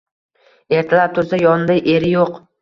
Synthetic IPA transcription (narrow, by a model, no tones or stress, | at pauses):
e̞ɾt̪ʰɪlaɾt̪ʰʊɾzajɒnd̪ajʔe̞ɾɪjoq